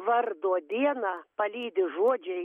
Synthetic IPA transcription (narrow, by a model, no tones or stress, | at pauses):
ʋɐrd̪oɔd̪ʲiɛnɑːpɐlʲiːd̪ʲɪʒuɔd͡ʒʲɛɪ